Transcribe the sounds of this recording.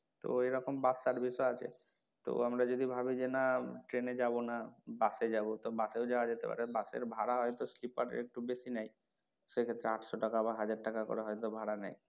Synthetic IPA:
t̪o̰eɾɔkombasaɾbʱiʃɔat͡ɕʰḛ | t̪o̰amɾad͡ʑod̪ibʱabid͡ʑenaʈɾened͡ʑabonabased͡ʑabot̪obaseod͡ʑaoad͡ʑet̪epa̰ɾebasḛɾbʱaɽaɦɔjt̪oslipaʈḛɾek̚ʈubeʃinɛj | ʃekʰet̪ːɾeaʈʰʃoʈakabaɦad͡ʑaɖ̚ʈakako̰ɾeɦɔjt̪obʱaɽana̰j

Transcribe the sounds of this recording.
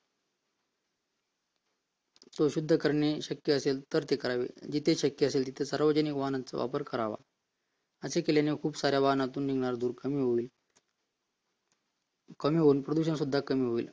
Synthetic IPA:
t̪oɕud̪ʱːəkəɾɳeɕəkːjəəselt̪əɾt̪ekəɾaʋḛd͡ʑit̪ʰeɕəkjəəselt̪̬it̪ʰesaɾʋəd͡ʑənikʋaɦənat͡sə̰ʋa̰pəɾkəɾaʋa̰ | əsekeljanekʰuːbsaɾjaʋaɦənat̪uːnːiɡɳaɾd̪uːɾkəmiːɦoiːl | kəmiɦouːnpɾəd̪uɕ̬ənsud̪ʱːakəmiːɦoiːl

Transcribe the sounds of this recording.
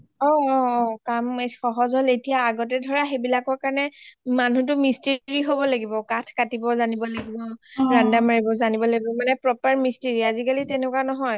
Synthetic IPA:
ɔɔɔkamexɔɦɔzɔletijaːɡɔtɛdʱɔɹaxebilakɔɹkaɹɔnɛmanutʊmisteɹiɦobɔlaɡibɔkatʰkatibɔzanibɔlaɡibɔɹandamaɹibɔzanibɔlaɡibɔmanɛpɹɔpaɹmisteɹiazikalitɛnɛkwanɔɦɔj

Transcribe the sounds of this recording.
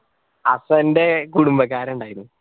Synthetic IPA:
ɐsɐnde̞kuɽumbɐkːaːɾɐuɳɖaːjiɾunː

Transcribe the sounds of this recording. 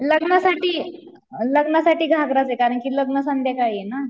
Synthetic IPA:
ləɡnasaʈiː | ləɡnasaʈiːɡʱaɡɾat͡sekaɾəɳkiːləɡnəsand̪ʱjakaiena

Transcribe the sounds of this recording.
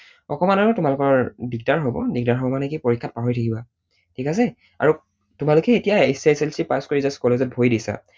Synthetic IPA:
ɔkɔmanɔtʊmalʊkɔɹbiɡ̚taɹɦobɔ̰diɡdaɹɦobɔmanɛkipoɹikʰːat̚paɦoɹitʰakiba | tʰikas̬ɛ | a̰ɹu | tumalʊkɛetijaesajselsipaskoɹizaskɔlezɛt̚bʱojdisa̰

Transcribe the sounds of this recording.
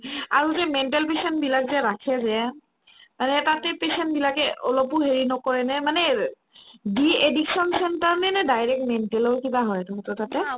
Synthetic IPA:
aɹuzɛmɛntɛlpesɛntbilakzɛɹakʰɛzɛ | manɛtatɛpesɛntbilakɛʔɔlɔpʊɦeɹinɔkɔɹɛnɛmanɛ | biediksɔnsɛntaɹnɛnɛdajɹɛk̚tmɛntɛlɔwkibaɦɔjtɔmɔtɔtatɛ

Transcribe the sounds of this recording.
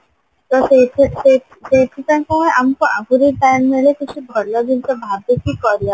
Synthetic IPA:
t̪ɔsese | set̪ʰikaŋkɔɦɔ̃jamɔkɔʔaɡuɾiʈajnmeɭekit͡ʃʰubʱɔlɔd͡ʒintebʱabekikɔɾia

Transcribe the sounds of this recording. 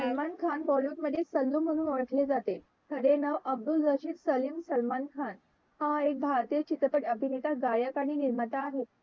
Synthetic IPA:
səlmankʰanbɔloʈməd̪ʱjesəld̪um̤əɽ̃uːnʋəɭʈʰled͡zat̪e | t̪ʰəɽenəʋəb̚d̪uld͡zəɕiːɾsəlimsəlmankʰan | ɦaaek̚bʱaɾt̪iət͡ɕit̪ɾəpəʈəbʱinet̪aɡajəkaɽ̃iniɾmət̪aːɦet̪̚

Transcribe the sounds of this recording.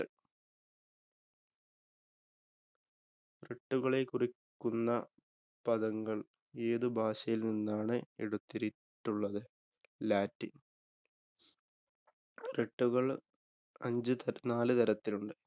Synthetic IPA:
reʈːuɣɐɭe̞kurikːunːɐ | pɐðɐŋɡɐɭ | e̞ːðɨbʱaːɕɐjilninːaːɳɨeɽut̪ːiɾi | ʈːuɭːɐðɨ | laːtːi | reʈːuɣɐɭ | ɐ̰ɲd͡ʑɨt̪ɐnaːlɨt̪ɐɾɐt̪ːiluɳɖɨ

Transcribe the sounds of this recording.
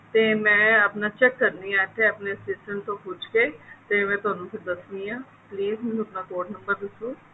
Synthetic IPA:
t̪eːmɛ̃ːəpnaːt͡ʃɛkːəɾniaːʈ̪ʰeəpneəsɪsʈə̃ɳt̪õpʊd͡ʒkeːt̪emɛ̃ːt̪ʊaːnũːpʰɪɾd̪əsniãː | pliːzmɛ̃ũəpnaːkoːɖnə̃mbəɾd̪ɪsũː

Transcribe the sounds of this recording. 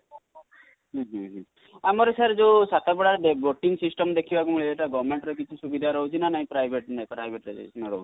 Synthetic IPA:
ɦɦɛ̃ɦɛ̃ | amɔɾesaɾd͡ʒesat̪abɔɽaɾd̪eboʈiŋsisʈɔmd̪ekʰibakumuɭieʈaɡɔɾmeɳʈɾɔkit͡ʃʰisubid̪ʱaɾɔɦut͡ʃʰinanaɦĩpɾajbʱeʈnapɾajbʱeʈɾḛḛsnɔɾɔ̰ɦut͡ʃi̥

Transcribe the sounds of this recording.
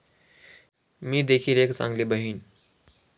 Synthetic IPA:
mĩːd̪eːkʰiɾeːksã̰ŋɡlibəɦiːn

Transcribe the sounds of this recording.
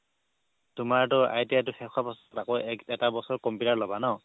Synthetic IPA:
tʊmaɹtʊa̰jtijatʊxʰɛkʰapɔstakɔjɛkɛtabɔsɔɹkɔmpiutaɹlɔbanɔ

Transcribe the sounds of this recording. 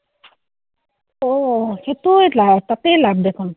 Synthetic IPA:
ohet̪ujlabt̪at̪elab̚d̪ekʰon

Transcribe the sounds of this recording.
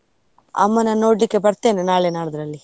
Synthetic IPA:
ɐ̰mːɐnɐno̞ːɽlikːebɐɾt̪e̞ːnenaːɭenaːɽɐd̪ɾɐlːi

